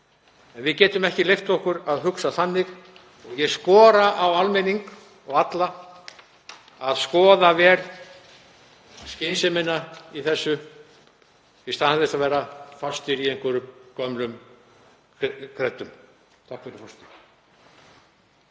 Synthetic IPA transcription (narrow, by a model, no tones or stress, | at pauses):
ɛnvɪðcɛːt̪ʏmɛhcɪlejft̪ɔhkʏɾaðɦʏksaθanːɪɣ | ɔɣjɛɣskɔːɾaʔawalmɛniŋk | ɔɣat̪la | aðskɔːðavɛːɾ | scɪːnsɪmɪnːaiθɛsːʏ | ist̪anaðɪsavɛːɾafast̪ɪɾiejŋkʏɾʏmkœmlʏm | kʰɾɛt̪ːʏm | t̪ʰakɛɾfɔst̪